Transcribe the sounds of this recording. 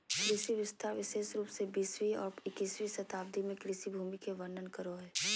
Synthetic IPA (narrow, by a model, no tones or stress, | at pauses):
kɾɪsiʋɪst̪ʰaɾʋɪʃeːʃɾuːpsebiːsʋiɔ̰ːɾɪkiːsʋisɐt̪aːb̚d̪ʱimẽkɾɪsibʱuːmikeʋɐnːənkəɾoɦɛː